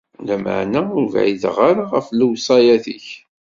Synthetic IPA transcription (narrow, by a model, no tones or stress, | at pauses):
læmə̰ʕnæʊɾva̰ʕiðʁaɾaʁəfluwsˤɑjæθiç